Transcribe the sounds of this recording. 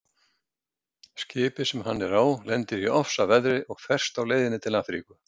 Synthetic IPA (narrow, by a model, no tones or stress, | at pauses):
scɪːpɪsɛmhanːɛɾaːwlɛnt̪ɪɾiɔfsavɛðɾɪʔɔɣfɛr̥st̪awleːjðɪnːɪt̪ʰɪlafɾḭːkʏ